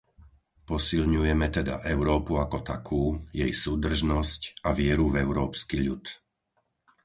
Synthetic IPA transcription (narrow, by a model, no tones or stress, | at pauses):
pɔsilɲujɛmɛt̪ɛd̪a̰ʔɛʊɾɔːpuakɔt̪akʰuːjɛjsuːd̪r̩ʒnɔscaʋɪɛɾuvɛʊɾɔːpskiʎut̪